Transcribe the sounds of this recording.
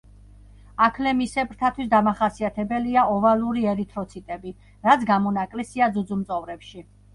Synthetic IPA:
akʰlɛmisɛbɾt̪ʰat̪ʰwis̬d̪amaχasiat̪ʰɛbɛliaɔvaluɾiɛɾit̪ʰɾɔt̪sʰit̪ʼɛbi | ɾat̪sʰɡamɔnakʼlɛsiad̪zud̪zumt̪sʼɔvɾɛpʃi

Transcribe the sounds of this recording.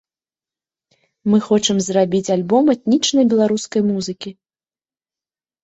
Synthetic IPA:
mɨxɔt͡ʂɨmzrabʲit͡sʲalʲbɔmɛt̪̚nʲit͡ʂnɐjbʲɛlˠaɾuskɐjmuzɨkʲi

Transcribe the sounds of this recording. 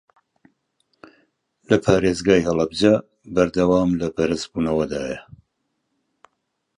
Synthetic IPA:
lɐpʰaːɾeːzɡaːjhɐlˠɐbd͡ʒa | bɐɾd̪ɐwaːmlɐbɐɾɨsbuːnɐwɐd̪aːjɐ

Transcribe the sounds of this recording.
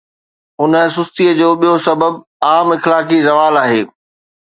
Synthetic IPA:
ʊnə̆s̬ʊst̪iəd͡ʑoːɓijosɐbəb̚ | aːmɪxlaːkizɐʋaːlaːɦeː

